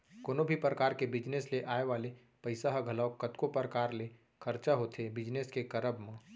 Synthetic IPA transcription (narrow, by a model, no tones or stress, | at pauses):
koːnobʱipɾəkaːɾkebɪd͡ʒnesleʔaːeʋaːle | pəɪsaɦəɡʱəlaːokət̪kopəɾəkaːɾle | kʰəɾt͡ʃaɦoːt̪ʰebɪd͡ʒneskekəɾəbmẽ